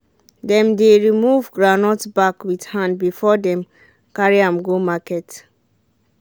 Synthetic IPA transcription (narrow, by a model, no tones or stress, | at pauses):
dɛ̃mdeɹimuvɡɹanɔtbakwidhãndbifɔdɛ̃m | kaɹiãmɡomakɛt